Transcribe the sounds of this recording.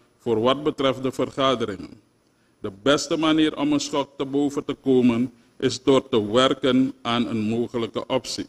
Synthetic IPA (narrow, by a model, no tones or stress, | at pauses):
foːrʋɑt̚bətrɛfdəfərχaːdəɾɪŋə̰n | dəbɛstəmaniːɾɔmənsχɔk̚təbowvəntəkoːmən | ʔɪsdoːrtəʋɛrkənaːnənmoːχələkə̰ʔɔpsi